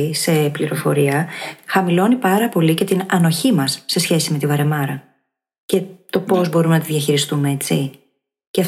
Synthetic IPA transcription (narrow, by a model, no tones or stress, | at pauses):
se̞pliɾo̞fo̞ɾiɐxɐmilo̞nipɐɾɐpo̞lice̞t̪inɐno̞çimɐsːe̞sçe̞sime̞t̪ivɐɾe̞mɐɾɐ | ce̞t̪o̞po̞zbo̞ɾumenɐt̪iðʝɐçiɾist̪umee̞t͡si | ceɐ